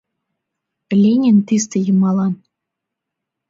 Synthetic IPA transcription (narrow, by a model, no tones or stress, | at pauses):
lʲenʲent̪ist̪ĕjɤmɑlˠɑn